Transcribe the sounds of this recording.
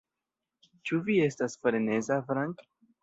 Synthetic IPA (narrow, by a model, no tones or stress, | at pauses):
t͡ʃuvie̞stasfɾene̞zafɾaŋk